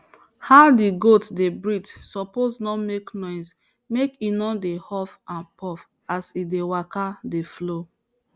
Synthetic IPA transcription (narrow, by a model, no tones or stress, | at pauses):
haʊdiɡotdebɹit͡ʃsɔposnɔmeknɔ̃ɪ̃ns | mekinɔdehɔfãnpʰɔf | asidewakadeflo